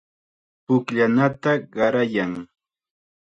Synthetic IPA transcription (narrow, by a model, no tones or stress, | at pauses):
pʊkʎanat̪aɢɑɾajaŋ